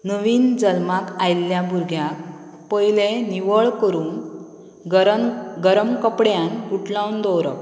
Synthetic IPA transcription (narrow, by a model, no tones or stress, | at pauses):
nəʋiːnd͡zəlmakajlːjabʱuɾɡʱjak | pəjleniʋəɭkəɾuːn | ɡəɾəmkəpɽjanuʈʰlawnd̪ɔwɾə̰k̚